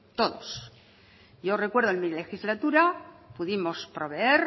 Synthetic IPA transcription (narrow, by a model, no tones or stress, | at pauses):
t̪o̞ðo̰s | jo̞re̞kwe̞ɾðoenmile̞xizlat̪uɾapuðimo̞spɾo̞βe̞eɾ